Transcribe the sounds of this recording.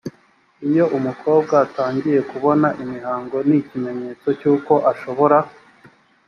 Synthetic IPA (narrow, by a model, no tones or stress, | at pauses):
ijo̞ʔumuko̞ːb̚ɡaːtaːɲɟije̞kuβo̞naʔimiɦaːŋɡo̞nicime̞ɲe̞ːt͡so̞cuːko̞ʔaʃo̞βo̞ɾa